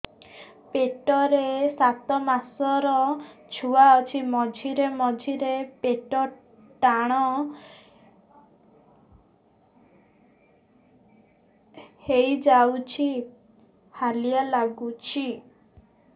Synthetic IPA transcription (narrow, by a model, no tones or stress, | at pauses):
peʈɔɾesat̪ɔmasɔɾɔt͡ʃʰuaɔt͡ʃʰimɔd͡ʒʱiɾemɔd͡ʒʱiɾepeʈɔ | ʈaɽ̃ɔ | hejd͡ʒawt͡ʃʰi | halijalaɡut͡ʃʰi